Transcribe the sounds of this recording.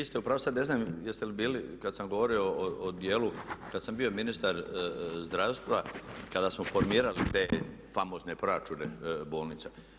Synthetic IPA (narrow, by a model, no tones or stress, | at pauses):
ist̪eupɾaʋosad̪ne̞znaːmjest̪elibiːlikad̪samɡo̞ʋoɾio̞ːod̪jeːlukad̪sambio̞minist̪aɾzd̪ɾaːʋst̪ʋakad̪asmofo̞ɾmiːɾalit̪eːfamo̞ːzne̞pɾoat͡ʃunebo̞ːlnit̪sa